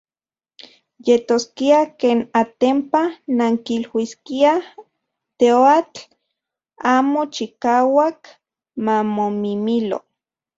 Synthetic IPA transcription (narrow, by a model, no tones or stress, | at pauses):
jet̪oskiakeːnat̪empanaŋkilwiskia | t̪eoat͡ɬ | aːmot͡ʃikaːwak | mamomimilo̰